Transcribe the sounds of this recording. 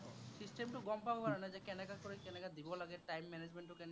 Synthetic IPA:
sisʈemʈuɡɔmpabekaɾanad͡ʑekɛnekakoɾekɛnekad̪ibolaɡeʈajmːɛned͡ʑmeɳʈokɛne

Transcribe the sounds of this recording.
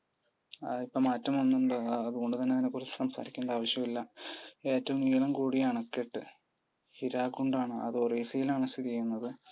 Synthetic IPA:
ipːomaːtːɐmɐnːuɳɖɨɐðuɣo̞ɳɖɨt̪ɐnːeɐðinːe̞kurit͡ɕːɨ̥sɐmsa̰ːɾikʲːuɳɖɐaːʋɐɕjɐmilːɐe̞ːtːɐʋumiːɭɐmkuːɽijaːɳokːeʈːɨ | hiɾaːkːuɳɖaːɳɨɐ̰ðɨoreisijilaːɳɐst̪it̪iejunːɐðɨ

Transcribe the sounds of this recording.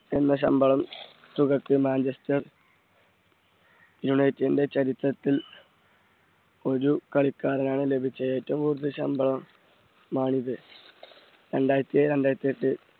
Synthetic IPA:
e̞nːɐɕ̬ɐ̰mbɐɭɐm | t̪uɣɐkːɨmaːnd͡ʑɐst̪ɐ | iɾuɳejtːende̞t͡ɕɐɾit̪rɐt̪ːil | o̞ɾukɐɭikːaːɾɐnaːɳɨle̞bʱit͡ɕːɐjaːjtːumʋuːrd̪ɨɕɐmbɐɭɐmː | aːɳiðɨ | ɾeɳɖaːjɾɐt̪ːijɐɾeɳɖaːjɾɐt̪ːiɐʈːɨ

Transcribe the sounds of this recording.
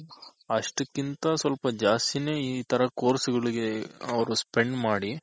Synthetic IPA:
ɐʂʈɐkːint̪ɐsʋɐlpɐd͡ʒaːst̪ine̞ːit̪ʰɐɾɐkoːɾsuɡɐɭiɡe̞ɐʋɐɾuspeɳɖmaːɽi

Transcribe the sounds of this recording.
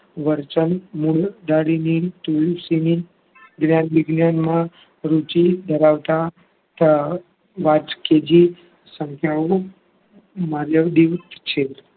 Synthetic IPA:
ʋəɾt͡ʃənmuɽd̪aɽinit̪ujsini | ɡnjanʋiɡnjanmã | ɾut͡ʃid̪ʱəɾaʋt̪a | t̪ə | ʋat͡ʃked͡ʒi | səŋkʰjau | maɾjəʋd̪iʋt̪t͡ʃʰe

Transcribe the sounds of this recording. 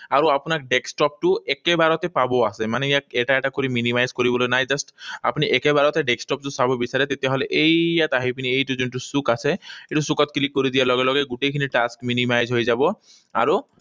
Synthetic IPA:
aɾoapunakɖeksʈɔp̚ʈuekebaɾɔt̪epaboasʰemaneakeʈaɛʈakoɾiminimajzkoɾibolonajd͡ʑasʈa̰pniʔɛkebaɾɔt̪eɖeksʈɔp̚ʈusabobisaɾet̪et̪eɦoleʔejat̪aɦipiniejʈud͡ʑonʈusukasʰeeʈusukɔt̪̚klikːoɾid̪ijalɔɡelɔɡeɡuʈekʰiniʈaskminimajzɦojed͡ʑabɔ | a̰ɾu

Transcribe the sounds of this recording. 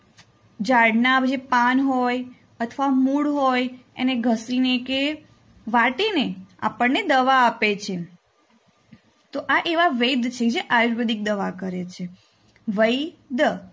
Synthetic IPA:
d͡ʒaɽnabd͡ʒepanɦoj | ət̪ʰʋamuɽɦojḛneɡʱəsineke | ʋaʈinea̰pəɳːed̪əʋaːpet͡ʃʰe | t̪oʔaʔeʋaʋed̪t͡ʃʰeked͡ʒeʔajuʃbəd̪ik̚d̪əʋakəɾet͡ʃʰe | ʋəjd̪

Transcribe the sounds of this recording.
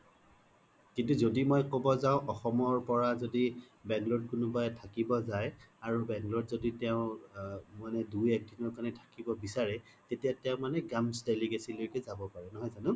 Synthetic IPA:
kintuzodimojkobɔzaʊ̃ʔɔxɔmɔɹpɔɹazodi | bɛŋɡlɔd̚kʊnʊbajɛtʰakibɔzajaɹubɛŋɡlɔtzoditɛʊ̃ | manɛdujɛk̚dinɔɹkanɛtʰḁkibɔbisaɹɛ | tetijatɛʊ̃manɛɡamsdeliɡesilojkɛzabɔpaɹɛnɔɦɔjzanʊ

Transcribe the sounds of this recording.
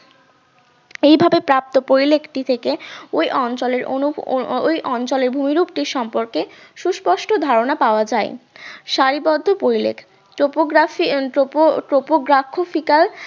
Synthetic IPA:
ejbʱabepɾap̚t̪opɾoɾilekʰʈit̪ʰekeojʔɔnt͡ɕoleɾo̰ojʔɔnt͡ɕoleɾbʱumiɾup̚ʈiɾʃɔmpoɾkeʃuʃpɔʃʈod̪ʱaɾonapaoad͡ʑaeʃaɾibɔd̪ʱːopoɾilḛkʰ | ʈopoɡfoʈopoɡɾakʰːofikal

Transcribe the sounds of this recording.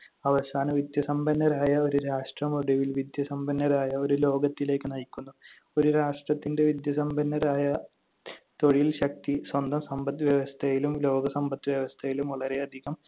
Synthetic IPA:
ɐʋɐsaːnɐʋid̪jɐsɐmbɐnːɐɾaːjɐo̞ɾuɾaːʂʈrɐmoɽiʋilʋid̪jɐsɐmbɐnːɐɾaːjɐo̞ɾulo̞ːɡɐt̪ːile̞ːkːɨnɐjikʲːunːu | o̞ɾuɾaːʂʈrɐt̪ːinde̞ʋid̪jɐsɐmbɐnːɐɾaːjɐ | t̪o̞ɻilɕɐk̚t̪iswɐnd̪ɐmsɐmbɐt̪ːʋjɐʋɐst̪ʰɐjilumlo̞ːɡɐsɐmbɐt̪ːʋjɐʋɐst̪ʰɐjilumʋɐɭɐɾe̞ɐd̪ʱiɣɐm

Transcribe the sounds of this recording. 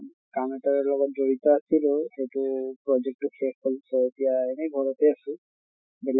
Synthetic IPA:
kamɛtaɹlɔɡɔt̚zoɹit̪ɔasiloxejtupɹɔd͡ʒek̚tukʰekkɔlsʰɔetijaɛnɛɡʱɔɹɔtɛasʊ̃ | bel

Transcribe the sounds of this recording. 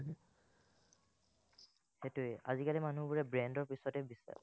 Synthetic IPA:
xetʊɛʔa̰zikalimanubuɹɛbɹɛndɔɹpisɔtɛbisa̰ɹ

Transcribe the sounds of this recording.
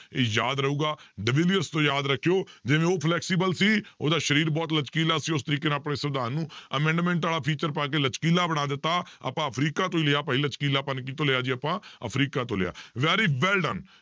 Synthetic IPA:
eːjaːd̪ɾəɦuːɡaːɖəʋɪlijəɾst̪õːjaːd̪ɾəkʰːjoːd͡ʒɪʋẽːoːpʰlɛːksiːbəlsiːo̰ːd̪aːʃəɾiːɾbɔːt̪lət͡ʃkiːlaːsiːʊst̪əɾiːkeːneaːpɽeːsəɾd̪aːnːũːəmɛ̃ːɳɖmɛ̃ːɳʈaːlaːpʰiːt͡ʃəɾpaːk̬eːlət͡ʃkiːlaːbəɽ̃aːd̪ɪt̪ːaːə̰pãːəpʰɾiːkaːt̪õːileaːpəːiːlət͡ʃkiːlaːpənkiːt̪õːlɪaːd͡ʒiːəpãːə̰pʰɾiːkaːt̪õːlɪ̰a̰ːʋɛːɾiːʋɛːlɖə̰n

